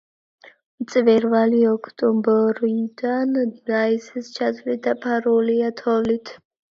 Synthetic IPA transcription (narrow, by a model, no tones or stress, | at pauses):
mt̪sʼvɛɾvaliɔkʰt̪ʼɔmbɔɾid̪and̪ɾaisɛst͡ʃʰasʰʼvlit̪̚d̪apʰaɾuliat̪ʰɔlit̪ʰ